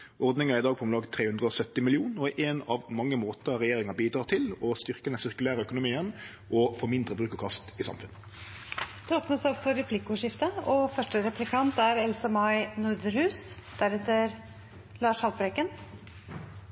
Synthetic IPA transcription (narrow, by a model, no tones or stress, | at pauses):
ɔɾd̪nɪŋɑɾɪd̪ɑːɡ̚pʰɔmlɑːɡt̪ʰɾeːhʉnd̪ʁəɔsœt̪ːɪmɪlɪuːnɔʔenɑʋmɑŋːəmoːt̪əɾɛjeːɾɪŋɑbiːd̪ɾɑːt̪ʰɪlɔst̪ʏʁkəd̪ɛnsɪʁkʉlæːɾəœkʊnʊmiːən | ʔɔfoːmɪnd̪ɾəbʁʉːkəkʰɑst̪ɪsɑ̰mfʉnːə | d̪̥ɛoːpnəsɔpfɔɾɛpʰlɪkʊʂɪft̪əɔfœʂʈəɾɛplɪkʰɑnt̪æɾɛlsəmɑɪnʊɾd̪əɾhʉːsd̪̥æɾɛt̪ːəɾ | lɑːʂhɑlbɾɛkən